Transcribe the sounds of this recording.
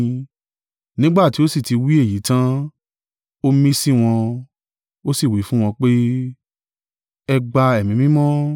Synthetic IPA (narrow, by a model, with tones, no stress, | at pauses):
nĩ˦ɡ͡ba˦˨ti˨˦o˦si˦˨ti˧wi˦e˦˨ji˨˦tã˦ | o˦mĩ˦si˦˨w̃ɔ̃˧ | o˦si˦˨wi˨˦fũ˦w̃ɔ̃˧k͡pe˦ | ɛ˧ɡ͡ba˧ɛ˨mĩ˨˦mĩ˦mɔ̃˦